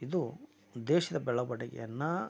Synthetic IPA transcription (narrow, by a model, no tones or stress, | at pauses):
id̪u | d̪ɛːʃɐd̪ɐbɛɭɐbɐɽɛɡɛ̰jɐnːɐ